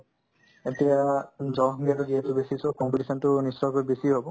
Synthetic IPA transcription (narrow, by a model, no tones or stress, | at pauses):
etiazɔɦɡiatɔziɦɛtubesisɔkɔmpeʈisɔntʊnisɔkɔɹibesiɦobɔ